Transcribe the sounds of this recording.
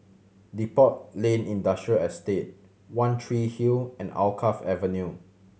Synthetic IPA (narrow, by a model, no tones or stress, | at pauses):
dipɔt̚lẽnĩndastɹəɛstet̚ | wãntʰɹihilɛ̃na̰lkʰafɛvənju